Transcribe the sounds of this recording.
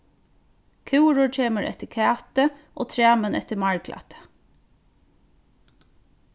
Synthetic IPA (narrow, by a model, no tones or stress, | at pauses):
kʰʉwɹʊɹt͡ʃʰeːməɾʔɛ̰t̪ɪkʰæːt̪əʔo̰ːt̪ʰɹæːmənɛ̰t̪əmɑɹɡlʔa̰t̪ə̥